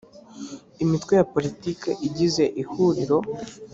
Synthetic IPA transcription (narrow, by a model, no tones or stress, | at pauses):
imitwejapo̞litikḛʔiɟize̞ʔihuɾiɾo̞